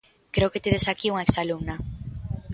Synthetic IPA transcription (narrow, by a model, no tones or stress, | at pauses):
kɾeoket̪eðesakiuŋaeksalumna